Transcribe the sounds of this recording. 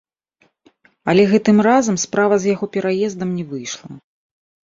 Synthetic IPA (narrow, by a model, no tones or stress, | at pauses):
ɐlʲɛɣɛt̪ɨmrazɐmspɾavɐzjaɣɔpʲɛɾajɛzd̪ɐmnʲɛvɨjʂlˠɐ̰